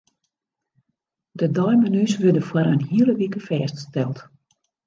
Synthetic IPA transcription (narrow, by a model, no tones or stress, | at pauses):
dədɔjmanysʋødəfwaɾənhiələʋikəfɛːststɛlˠt